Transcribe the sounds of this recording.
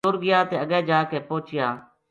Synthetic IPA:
ʊɾɡɪjaːt̪eːəɡɛ̃ːd͡ʒaːkeːpoːt͡ʃɪjãː

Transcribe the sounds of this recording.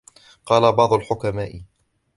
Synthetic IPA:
qɑːlabɑʕd̪ˤʊlħʊkamaːʔɪ

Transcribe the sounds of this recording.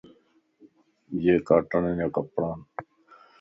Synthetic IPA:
jeːkaːʈəɳẽːnjaːkəpɽãːn

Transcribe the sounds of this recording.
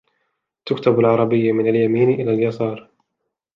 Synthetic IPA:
t̪ʊkt̪abalʕɑɾˤɑbɪjːmɪnaljamiːnʔɪlaːljasɑːɾˤ

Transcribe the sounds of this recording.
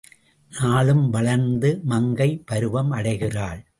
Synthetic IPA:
naːɭɯmʋɐɭɐɾnd̪ɯmɐŋɡɐɪpɐɾɯʋɐmɐɽɐɪɣɪraːɭ

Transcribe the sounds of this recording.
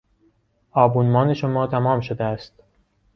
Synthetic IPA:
ɒːbuːnmɒːne̞ʃomɒːt̪ʰæmɒːmʃod̪eæst̪̚

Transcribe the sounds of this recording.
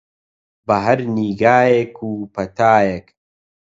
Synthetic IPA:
bɐɦɐɾniːɡaːjekʰuːpɐt̪aːjek

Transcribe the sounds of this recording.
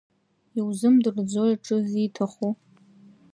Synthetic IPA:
iwzɨmdɨrd͡zojaʈ͡ʂʼɨzitʰaχu

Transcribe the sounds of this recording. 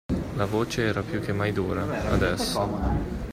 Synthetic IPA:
lavoːt͡ʃeɛːɾapjuk̟ːemːajd̪uːɾaad̪ɛsːo

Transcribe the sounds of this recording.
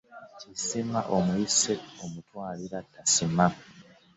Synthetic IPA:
cisimaʔomuisetomutwaːliɾatːasima

